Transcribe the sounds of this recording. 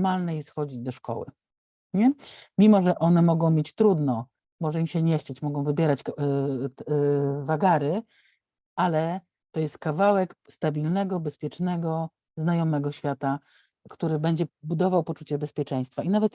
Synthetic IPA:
malnɛjɛsxɔd͡ʑid͡ʑd̪ɔʂkɔ̰wɘ̰ | ɲɛmʲimɔʐɛʔɔn̪ɛmɔɡɔ̃w̃mʲjet͡ɕt̪ɾud̪nɔ | mɔʐɛimɕɛɲɛxt͡ɕet͡ɕmɔɡɔ̃w̃vɘbʲjɛɾat͡ɕ | vaɡaɾɘ | ʔalɛ | t̪ɔjɛst̪̚kavawɛkst̪abʲilnɛɡɔbɛspʲjɛt͡ʂnɛɡɔ | znajɔmɛɡɔɕfʲjat̪a | kt̪uɾɘbɛɲd͡ʑɛbud̪ɔvawpɔt͡ʂut͡ɕɛbɛspʲjɛt͡ʂɛj̃st̪fainavɛt̪

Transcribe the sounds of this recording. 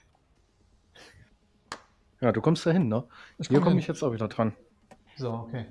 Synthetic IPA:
jaːduːkʰɔmstaɦɪnːəhiːɐkʰɔməɪçjɛt͡staʊviːdɐdʁan | zookʰeː

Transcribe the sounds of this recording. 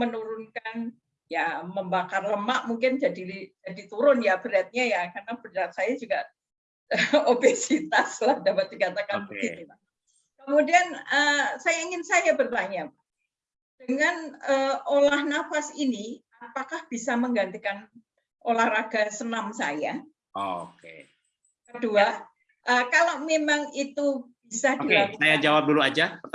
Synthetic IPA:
mənuɾʊnkan | jaməmbakarləmaʔmuŋkɪnd͡ʒadiid͡ʒadit̪uɾʊnjab̥əɾat̪̚ɲajakarnabərat̪̚sajad͡ʒuɡa | əobesit̪aslahdapat̪̚dikat̪akanbukɪia | kəmudianəsajaiŋɪnsajabərt̪aɲapa | d̥əŋanəolahnafasiniapakahb̥isaməŋɡant̪ikan | ʔolahraɡ̥asənamsa̰ja | okḛ | kədua | ʔəːkalamemaŋit̪ub̥isadilamsajad͡ʒawap̚duluad͡ʒaə

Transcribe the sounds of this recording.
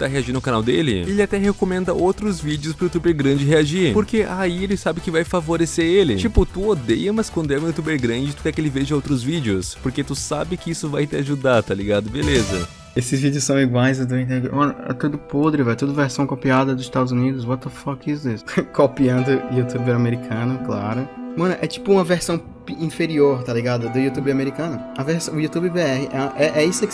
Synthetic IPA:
t̪aɦeaʒĩd̪ʊnʊkanawd̪elɪ̰elɪat̪ɛɦekomẽnd̪ɐʔowt̪ɾʊzvid͡ʒɪʊspɾʊut̪ubeɾɡɾɐ̃d͡ʒɪɦeaʒiɾpoɾkeʔaielɪsabɪkɪvajfavoɾeseɾelɪt͡ʃipʊt̪uod̪ejɐmɐskwɐ̃nd̪ɛ̃jut̪ubeɾɡɾɐ̃d͡ʒɪt̪u̥kɛkɪelɪveʒɐowt̪ɾʊzvid͡ʒɪʊspoɾket̪usabɪkɪisʊvajt̪ɪaʒud̪aɾt̪aliɡad̪ʊbelezɐ̰ | esɪzvid͡ʒɪʊsɐ̃w̃iɡwajzʊd̪oĩt̪̬ẽd͡ʒḛmɐ̃nʊɛ̰t̪ud̪ʊpod̪ɾɪvɛjt̪od̪ʊveɾsɐ̃w̃kopiad̪ɐd̪ʊzɪst̪ad̪ʊzunid̪ʊsbɔt̪ɐfɔkisʊd̪eskʰopiɐ̃nd̪ʊiut̪ubeɾameɾikʰɐ̃nʊklaɾʊmɐ̃nʊʔɛt͡ʃi̥pʊũmɐveɾsɐ̃w̃ | pĩfeɾioɾt̪aliɡad̪ʊd̪ʊiut̪ubɪameɾikɐ̃nʊɐveɾsɐ̃w̃ʊiut̪ubɪbeɛhɪʔɛʔɛʔɛisɐ

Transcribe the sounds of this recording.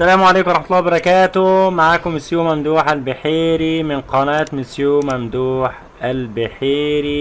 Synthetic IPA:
sælæːmʕaleːkwɑɾˤɑħmat̪lːɑːwbɑɾˤɑkæːt̪ʊmaʕaːkʊmːɪsjuːmæmd̪uːħalbɪħiːɾimɪnqɑnæːt̪mɪsjuːmæmd̪uːħ | ælbɪħiːɾi

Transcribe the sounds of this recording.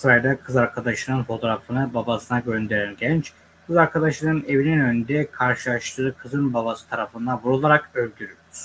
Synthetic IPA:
sɾajd̪akʰɯzaɾkʰad̪aʃɯnɯnfo̞t̪ʰo̞ɾafɯnɯbabasɯnaɟø̞nd̪e̞ɾænɟɛnt͡ʃ | kɯzaɾkʰad̪aʃɯnɯne̞vininø̞nd̪ɛkʰaɾʃɯlˠaʃt̪ʰɯːkʰɯzɯnbabasɯ̥t̪ʰaɾafɯnd̪abuɾulˠaɾakø̞lʲd̪yɾyjyɾ̥

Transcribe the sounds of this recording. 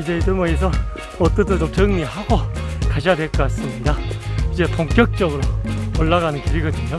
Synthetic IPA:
id͡ʑeidɯmoes̬ʰʌ | ʌt͈ʌt͈ʰɯt͡ɕomt͡ɕɯŋɲiɦaɡokaɕʰijadweɭk͈as͈ɯmɲidaid͡ʑe̞poŋk͈jʌk̚t͡ɕ͈ʌɡɯɾooɭːaɡanɯnkiɾiɡʌdɯɲo

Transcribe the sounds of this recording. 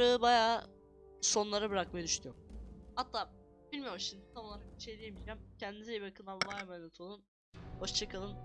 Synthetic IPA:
aɯbajaː | so̞nlˠaɾabɯɾak̚majd̪yʃnʲyjomhat̪ʰːaː | b̥ilʲmijomʃimd̪it̪ʰamolˠaɾak̚i̥ʃed̪ʲijemid͡ʒæmcʰɛnd̪izibiɾakʰɯlˠamvajmanet̪ʰolˠun | ho̞ʃt͡ʃʰakʰɯlˠɯn

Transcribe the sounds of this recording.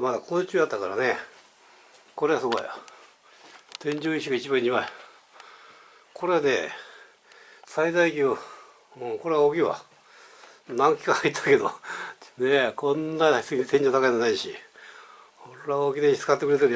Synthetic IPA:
mad̪akʰoːt͡ɕɨːjat̪ːakaɾa̰ne̞ | ko̞ɾe̞ɡasɨɡoj | t̪ẽ̞ɲ̟d͡ʑoːiɕ̬iɡait͡ɕibãɲimae | kʰo̞ɾe̞ane̞ | said̪aikʲjo | ɯ̃ko̞ɾe̞aokʲiβa̰ | nãŋkʲi̥kahait̪ʰːḁke̞d̪onekʰõ̞nːassẽ̞ɲd͡ʑot̪akaid̪anaiɕi | oɾeɾaoɡʲid̪eɲisɨ̥kat̪ːekɯɾet̪̬eɾɯ

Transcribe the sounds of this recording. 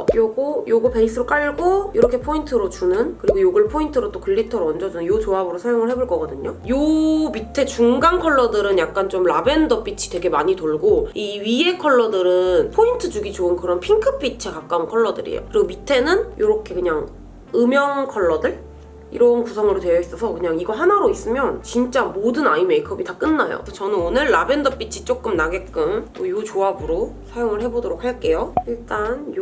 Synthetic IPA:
ʌjoɡojoɡɯɭpe̞is͈ɯɾok͈aɭɡoiɾʌkʰe̞pʰointʰɯɾot͡ɕunɯnkɯɾiɡojoɡɯɭpʰointʰɯɾot͈okɯʎːitʰʌɾoʌnd͡ʑʌd͡ʑunɯnjot͡ɕoabɯɾosʰajoŋɯɭhɦe̞boɭk͈ʌɡʌdɯɲojomitʰe̞t͡ɕuŋɡankʰʌɭːʌdɯɾɯnjak̚k͈ant͡ɕomɾabe̞ndʌp͈it͡ɕʰi̥twe̞ɡe̞maɲitoɭɡoiɥie̞kʰʌɭːʌdɯɾɯnpʰointʰɯd͡ʑuɡit͡ɕoɯnkɯɾʌnpʰiŋkʰɯp͈it͡ɕʰekak͈aunkʰʌɭːʌdɯ̰ɾḭjo̰kɯɾiɡomitʰe̞nɯnjoɾʌkʰe̞kɯɲaŋ | ɯmjʌŋkʰʌɭːʌdɯɭ | ḭɾʌnkusʰʌŋɯɾotwe̞jʌis͈ʌsʰʌkɯɲaŋiɡʌɦanaɾois͈ɯmjʌnt͡ɕint͡ɕ͈amodɯnaime̞ikʰʌbitak͈ɯnːajo̰t͡ɕʌnɯnonɯɭːabe̞ndʌp͈it͡ɕʰi̥t͡ɕ͈ok͈ɯmnaɡe̞k͈ɯmojot͡ɕoabɯɾosʰajoŋɯɭhe̞bodoɾok̚haɭk͈e̞joiɭt͈anj

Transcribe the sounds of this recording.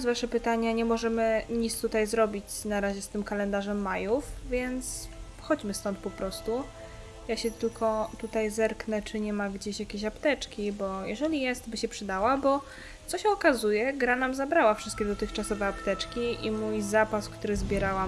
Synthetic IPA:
zvaʂɛpɘt̪aɲaɲɛmɔʐɛmɘɲit̪st̪ut̪ajzɾɔbʲit͡ɕnaɾaʑɛst̪ɘmkalɛnd̪aʐɛmːajufvʲjɛnt̪s | xɔd͡ʑmɘst̪ɔnt̪̚pɔpɾɔst̪u | jaɕɛt̪ɘlkʰɔt̪ut̪ajzɛɾknɛt͡ʂɘɲɛmaɡd͡ʑeɕjakʲeɕapt̪ɛt͡ʂkʲibɔjɛʐɛlʲijɛst̪bɘɕɛpʂɘd̪awabɔ | t̪sɔɕɛɔkazujɛɡɾanamzabɾawafʂɘst̪̚kʲɛd̪ɔt̪ɘxt͡ʂasɔvɛapt̪ɛt͡ʂkʲiʔimujzapaskt̪uɾɘzbʲjɛɾawam

